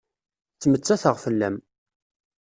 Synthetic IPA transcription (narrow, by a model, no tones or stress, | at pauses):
t͡sːmət͡sːæθəʁfəlːæm